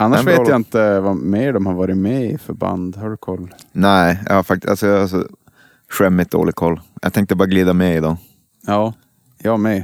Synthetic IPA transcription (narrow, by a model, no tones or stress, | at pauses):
ʔanːaʂveːjaɪnt̪əvameːɖɔmhaɾvɑːɾɪmɛɪfœɾba̰nd̪haɖɵkʰɔlːnɛɪjɑ̰haɾfak̚t̪ɪ̥sa̰lsɔjaasɔ̰ | ɧɛmːɪt̪̚d̪o̰ːlɪɡ̚kʰɔlːjʔa̰t̪ʰɛŋkt̪əbɑːɾaɡliːd̪amɛɪd̪ɑ | jɑː | jɑːmɛ